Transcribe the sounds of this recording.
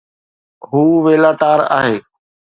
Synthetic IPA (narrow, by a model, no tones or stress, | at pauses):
ɦuːʋeːlaːʈaːɾa̰ːɦeː